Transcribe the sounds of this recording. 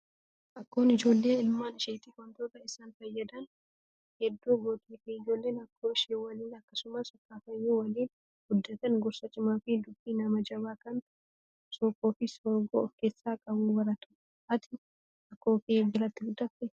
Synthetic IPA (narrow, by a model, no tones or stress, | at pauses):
ʔɐkːo̞ːnɪd͡ʒo̞ːlːe̞ːɪlmaːnɪʃeːt̪iːwɐnt̪oːt̪ɐɪsaːnfɐjːɐd̪ɐn | hɛd̪ːuːɡoːt̪ʼiːfiɪd͡ʒo̞ːlːe̞ːnɐkʰːo̞ːɪʃeːwɐliːnɐkːɐsʊmaːsɔkːaːfɐjːuwɐliːn | ɡ̥ʊd̪ːɐt̪ɐnɡɔɾsɐt͡ʃʼɪmaːfɪd̪ʊbːiːnɐmɐd͡ʒɐbaːkɐn | sɔkːoːfɪsɔɾɡo̰ɔfkeːsːaːkʼɐbuːwɐɾɐt̪ɐ̥ | ʔɐt̪ʰɪ̥ | ɐkːoːfibɪlɐt̪ːɪɡʊd̪ːɐft̪ɛ